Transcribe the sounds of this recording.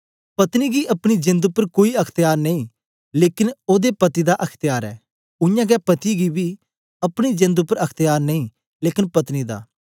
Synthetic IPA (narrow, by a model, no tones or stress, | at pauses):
pɐt̪niɡiʔɐpɽ̃id͡ʒɪ̃nd̪ʊpːəɾkoːiɐkʰt̪ɪjaːɾnɐĩ | leːkɪnoːd̪epɐt̪id̪aʔɐkʰt̪ɪjaːɾɛ̰ː | ʊjãːɡɛpɐt̪iɡibi | ɐpɽ̃id͡ʒɪ̃nd̪ʊpəɾɐkʰt̪ɪjaːɾnɐĩː | leːkɪnpɐt̪nid̪a̰ː